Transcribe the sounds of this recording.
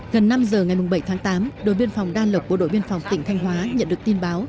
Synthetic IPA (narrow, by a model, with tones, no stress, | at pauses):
ɣə˨˩nːa˧mzəː˨˩ŋa˨˩jmʊ˨˩ŋ͡mɓə˧˩jt̪ʰaː˨˦ŋt̪aː˨˦mɗo̰˧˨jɓi˧ənfɔ˨˩wŋ͡mɗaː˧lə˨˩k͡p̚ɓo̰˧˥ɗo̰˧˨jɓi˧ənfa˨˩wŋ͡mt̪ḭ̈˧˨ŋ̟t̪ʰa˧jŋ̟ɦwaː˨˦ɲə̰˧˨nɗɨ˨˩əkt̪i˧nɓaː˨˦w